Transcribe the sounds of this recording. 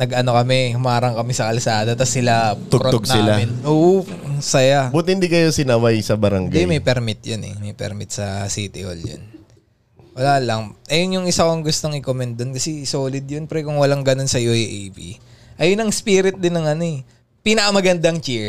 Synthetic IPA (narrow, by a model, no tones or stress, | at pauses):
nɐɡɐno̞kɐmɛhʊmaːɾɐŋkɐmɛsɐkɐlsaːd̪ɐt̪ɐsːɪlat̪ʊkɾooɡ̚naɪlamɪnʔoːʔ | sɐjabʊt̪̚hɪnd̪iːkɐjosɪnɐwajsɐbɐɾɐŋɡɡd̪ɛmɐjpɛɾmɪt̪̚jonʔɛ̰mɐjpɛ̰ɾmɪt̪sɐsiːt̪ɪ̰ʔo̰ljo̰n | wɐlaːlɐŋʔɐjonjʊŋɪsakoɐŋɡʊst̪oŋʔɪkomɛnd̪̚d̪onkɐsɛsoːlɪd̪̚jonpɛɾɛkʊŋwɐlaŋɡɐno̞nsɐjuʔjʔejbḭʔɐjonɐŋspiːɾɪt̪̚d̪ɪnːɐŋʔɐno̞ɛ | pinɐkɐmɐɡɐnd̪aŋt͡ʃiɹ